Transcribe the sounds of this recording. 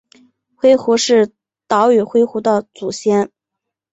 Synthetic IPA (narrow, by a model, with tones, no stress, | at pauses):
xwe˥ɪxu˧˥ʂɻ̩˥˩ | t̪ɑ˧˥ʊy˨˩xwe˥ɪxu˧˥d̪ə˧t͡su˨˩ɕjɛ˥n